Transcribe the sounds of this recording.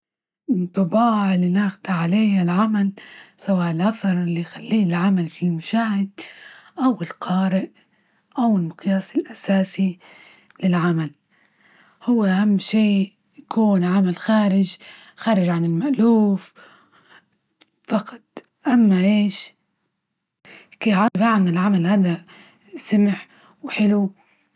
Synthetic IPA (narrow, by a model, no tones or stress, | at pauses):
t̪ˤːɑbɑːʕlinaxd̪aʕaleːhalʕamalsawaːʔɪlʔaθɑɾˤɪlːijxalːiːɪlʕamalfilmaʃaːhɪd̪̥ʔawɪlqʰɑːɾɪʔ | ʔawɪlmʊqjaːsɪlʔasaːsi | lɪlʕamal | hʊwːʔahamːʃeː | jakʰuːnʕamalxaːɾɪd͡ʒ | xaːɾɪd͡ʒʕanɪlmaʔluːf | fɑqɑ̥t̪ˤ | ʔamːaʔeːʃ | keʕɑbaːʕanɪlʕamalhaːd̪a | samɪħ | wħɪlu